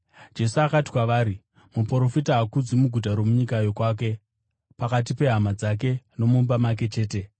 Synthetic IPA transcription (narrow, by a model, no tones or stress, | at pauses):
d͡ʒe̞suakati̥kwaʋaːɾi | mupro̞fitaɦakud͡zimuɡʱut̬aɾo̞muɲikajokwaːk̬e̞ | pakat̬ipe̞ɦamad͡zak̬e̞no̞mumbamak̬e̞t͡ʃe̞ːte̞